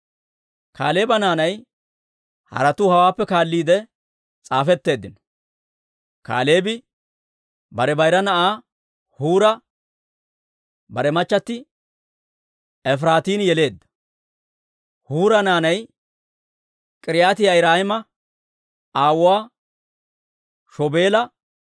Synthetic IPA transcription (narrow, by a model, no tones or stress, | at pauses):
kʰa̰ːle̞ːbɐnaːnɐj | hɐ̰ɾɐt̪ʊhɐwaːpːɛkaːlːiːd̪ɛ | t͡sʼaːfɛt̪ːe̞ːd̪ːɪnɔ̥ | ka̰ːleːbɪ | bɐɾɛbɐjɾɐnɐʔaː | huːɾɐ | bɐɾɛmɐt͡ʃːɐt̪ːɪ | ɛf̬ɾaːt̪iːnjɛle̞ːd̪ːɐ̥ | huːɾɐnaːnɐj | kʼɪɾɪjaːt̪ɪjajɾaːhɪmɐ | aːwʊwaː | ʃɔbe̞ːlɐ